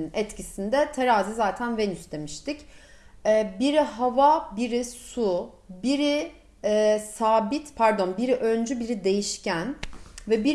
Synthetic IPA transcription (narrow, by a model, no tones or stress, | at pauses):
nɛt̪cisind̪ɛt̪ʰeɾaːzizaːt̪ʰænvenysd̪e̞miʃt̪ic | ɛːbiɾiɦavabiɾisu | biɾi | saːbit̪pʰæɾd̪o̞nbiɾiʔø̞nd͡ʒybiɾid̪e̞jiʃcʰænvɛbi